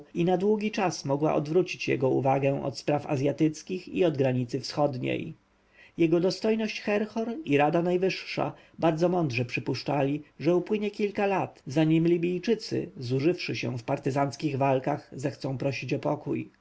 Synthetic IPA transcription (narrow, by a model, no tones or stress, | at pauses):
inad̪wuɡʲit͡ʂasmɔɡwa̰ʔɔd̪vɾut͡ɕit͡ɕjɛ̰ɡɔṵvaɡɛ̃ʔɔ̰t̪spɾafa̰zʲjat̪ɘt̪skʲixḭɔd̪ɡɾaɲit̪sɘfsxɔd̪ɲḛj | jɛɡɔd̪ɔst̪ɔjnɔɕt͡ɕxɛɾxɔɾiɾad̪anajvɘʂʂa̰ | baɾd̪zɔmɔnd̪ʐɛpʂɘpuʂt͡ʂalʲiʐɛupwɘɲɛkʲilkalat̪zaɲimlʲibʲijt͡ʂɘt̪sɘ̰zuʐɘfʂɘɕɛ̰̃fpaɾt̪ɘzanskʲiɣvalkaxzɛxt̪sɔ̃w̃pɾɔɕit͡ɕɔpɔkṵj